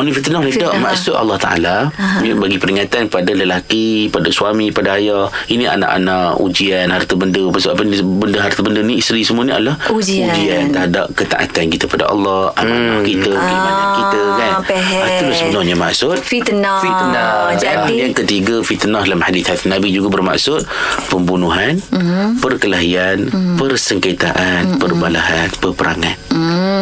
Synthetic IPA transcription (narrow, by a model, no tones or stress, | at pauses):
ɔnĩfit̪ənɔhlidaʔma̰ʔsʊt̪a̰lːɔht̪a̰ʔa̰laɲbaɡipəɾiŋat̪ankəpadaləlakipadasuamipadaajainĩa̰na̰ʔa̰nãʔṵd͡ʒianhart̪əbəndəpasuapəɲbəndəɦart̪abəndəniist̪ɾisəmuaniʔa̰lahud͡ʒud͡ʒiant̪ada̰ʔ̚kət̪a̰ʔa̰t̪ankit̪əpada̰ʔɑ̰lːɑhʔa̰namakit̪əkibanakit̪akanaəlʊsəbənɔhɲama̰ʔsʊt̪̚fit̪nɔfiə | jaŋkət̪iɡəfit̪ənahdalamhadiθhat̪nabid͡ʒuɡabərma̰ʔsʊt̪̚pəmbunuɦanpərkəlaɦianpərsəŋkat̪aʔanpərbalaɦanpərpəɾa̰ŋan